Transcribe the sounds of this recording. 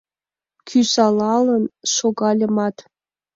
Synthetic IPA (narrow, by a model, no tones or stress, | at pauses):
kʲʰysɑlˠɑlɤ̆nʂoɡɑlʲɤ̆mɑt̪